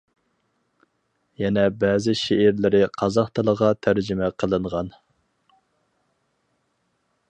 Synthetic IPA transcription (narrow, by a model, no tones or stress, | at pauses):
jɛnɛbɛːzɪʃeʔːɾlɪɾɪqʰɑzɑχt̪ʰɨlˠəʁɑt̪ʰæɾd͡ʒɪmɛqʰəlˠɨɴʁɑn